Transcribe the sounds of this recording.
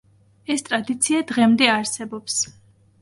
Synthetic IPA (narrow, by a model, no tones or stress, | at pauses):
ɛst̪ʼɾad̪it̪sʰiad̪ʁɛmd̪ɛaɾsɛbɔps